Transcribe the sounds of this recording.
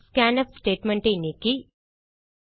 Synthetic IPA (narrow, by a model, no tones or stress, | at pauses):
skæːnɐpsʈeːʈmeɳʈejneki